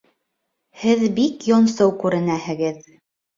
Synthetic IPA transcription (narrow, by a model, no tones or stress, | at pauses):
hɘðbikjɒnsɤwkʉɾɘ̆næhɘ̆ɡɘð